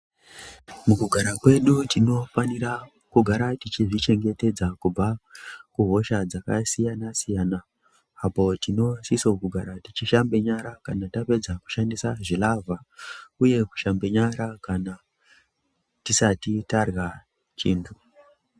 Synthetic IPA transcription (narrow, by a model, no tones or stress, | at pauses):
mukuɡʱaɾakwe̞ɗutʰino̞faniɾa | kuɡʱaɾatit͡ʃiʐit͡ʃe̞ŋɡe̞te̞d͡zakub͡vakuɦo̞ʃad͡zakasijanasijanaː | po̞tino̞sisokuɡʱaɾatit͡ʃiʃambe̞ɲaɾakanatape̞d͡zaku̥ʃandisaʐilavʱauje̞ku̥ʃambe̞ɲaɾakana | tisatitarɣa | t͡ʃiːntʰu